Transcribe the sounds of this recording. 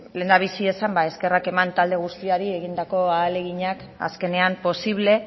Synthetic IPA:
le̞nd̪aβ̞isie̞sambae̞ske̞rake̞mant̪ald̪e̞ɣ̞ust̪iaɾie̞ɣind̪ako̞aːle̞ɣiɲak | a̰ske̞ne̞ampo̞siβle̞

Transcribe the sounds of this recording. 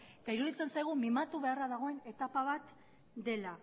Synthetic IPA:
et̪aiɾuðit͡se̞nsajɣ̞umimat̪uβe̞araðaɣ̞o̞e̞ne̞t̪apaβ̞at̪ | d̪e̞la

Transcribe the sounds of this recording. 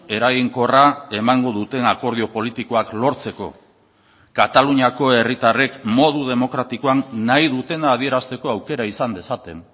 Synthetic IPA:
e̞ɾaɣiŋko̞rae̞maŋɡo̞ðut̪e̞nako̞ɾð̞io̞po̞lit̪iko̞aklo̞ɾt͡se̞ko̞̰ | kat̪aluɲako̞e̞rit̪are̞kmo̞ðuðe̞mo̞kɾat̪ikoanːajðut̪e̞naːð̞ie̞ɾast̪e̞ko̞awke̞ɾaisand̪e̞sat̪e̞n

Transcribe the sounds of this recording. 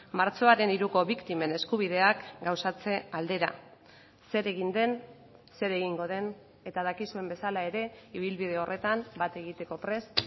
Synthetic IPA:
maɾt͡so̞aɾe̞niɾuko̞βikt̪ime̞ne̞skuβ̞ið̞e̞akɡawsat͡se̞ald̪e̞ɾa̰ | se̞ɾe̞ɣind̪e̞n | se̞ɾe̞ɣiŋɡo̞ð̞e̞n | e̞t̪aðakisue̞mbe̞salae̞ɾe̞iβ̞ilβiðe̞o̞rʔe̞t̪ambat̪e̞ɣit̪e̞ko̞pɾe̞s

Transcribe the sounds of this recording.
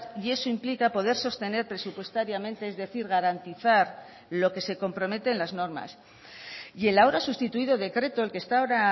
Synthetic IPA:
ie̞soimplikapo̞ð̞e̞ɾso̞st̪e̞ne̞ɾpɾe̞supwe̞st̪aɾjamẽ̞nt̪e̞ezðe̞θiɾɣ̞aɾant̪iθaɾ | lo̞ke̞se̞ko̞mpɾo̞me̞t̪e̞ːnlazno̞ɾma̰s | je̞laoɾasust̪it̪uiðo̞ðe̞kɾe̞t̪oelke̞st̪aoɾa

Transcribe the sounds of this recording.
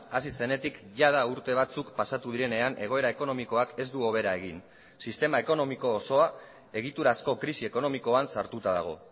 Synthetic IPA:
asise̞ne̞t̪ikʝaðauɾt̪e̞β̞at͡sukpasat̪uðiɾe̞ne̞anʔe̞ɣ̞o̞e̞ɾae̞ko̞no̞miko̞ake̞zd̪uo̞β̞e̞ɾae̞ɣ̞in | sist̪e̞mae̞ko̞no̞miko̞ːso̞a | e̞ɣ̞it̪uɾasko̞kɾisie̞ko̞no̞miko̞ansaɾt̪ut̪að̞a̰ɣ̞o̞̰

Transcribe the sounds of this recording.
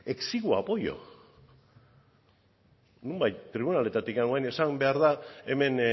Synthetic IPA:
e̞ksiɣua̰po̞jo̞̰ | numbajt̪ːɾiβ̞unale̞t̪at̪ikanoajne̞sambe̞aɾðae̞me̞n

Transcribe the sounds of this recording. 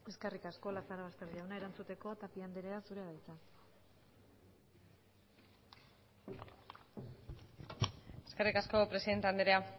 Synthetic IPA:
e̞ske̞rikasko̞lasaɾaβast̪e̞ɾðiawnae̞ɾant͡sut̪e̞ko̞t̪apiand̪eɾe̞asuɾeβajt͡sa | e̞skerikasko̞pɾesiðe̞nt̪eand̪eɾea

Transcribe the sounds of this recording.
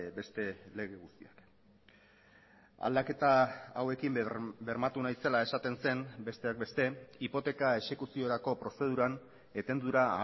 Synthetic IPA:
be̞st̪e̞le̞ɣ̞e̞ɣust̪iak | a̰ld̪ake̞t̪aːwe̞kimbe̞ɾmat̪unajse̞lae̞sat̪e̞nse̞nbe̞st̪e̞ak̚be̞st̪e̞ipo̞t̪e̞kae̞ʃe̞kusio̞ɾako̞pɾo̞se̞ð̞uɾan | e̞t̪e̞nd̪uɾaː

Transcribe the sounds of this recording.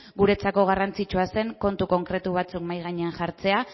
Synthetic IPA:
ɣuɾe̞t͡sako̞ɣ̞arant͡sit͡ʃuase̞ŋko̞nt̪uko̞ŋkɾe̞t̪uβ̞at͡sukmajɣaɲeanʝaɾt͡se̞a

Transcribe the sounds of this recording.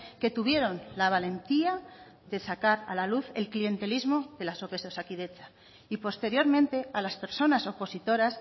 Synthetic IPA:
ke̞t̪uβ̞je̞ɾo̞nlaβ̞ale̞nt̪ia | ðe̞sakaɾa̰laluθe̞lklie̞nt̪e̞lizmo̞ðe̞laso̞pe̞sosakiðe̞t͡ʃa | ipo̞st̪e̞ɾjo̞ɾmẽnt̪e̞alaspe̞ɾso̞naso̞po̞sit̪o̞ɾas

